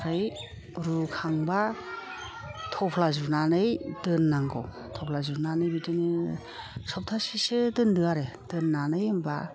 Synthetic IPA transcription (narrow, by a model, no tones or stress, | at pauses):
ɾɯj | ɾukʰaŋba | tʰɔpʰlazunanɯjdɯnːaŋɡɔ̰w | tʰɔpʰlazuɾnanɯjbitɯni | sɔp̚tʰasisɯdɯndɯaɾed̥ɯnːanɯjɯmba̰